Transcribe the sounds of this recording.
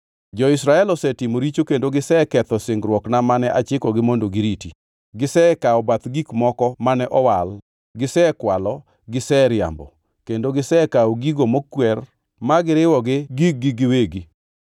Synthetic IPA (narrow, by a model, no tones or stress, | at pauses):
d͡ʒɔɪsɾaɛlɔsɛtimoɾit͡ʃokendoɡɪsɛkɛt̪ɔsɪŋɡɾwɔknamanɛʔat͡ʃɪkɔɡɪmondoɡɪɾiti | ɡɪsɛkaɔbat̪ɡikmɔkɔmanɛʔɔwal | ɡɪsɛkwalɔ | ɡɪsɛɾɪa̰mbɔ̰ | kendoɡɪsɛkaɔɡiɡomokːwɛr | maɡɪɾɪwɔɡɪɡik̚ɡɪɡɪweɡi